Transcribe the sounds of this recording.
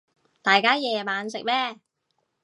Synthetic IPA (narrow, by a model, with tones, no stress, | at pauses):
t̪aː˨jkaː˥jɛː˨˧maː˨˧nsɪ˨k̚mɛː˥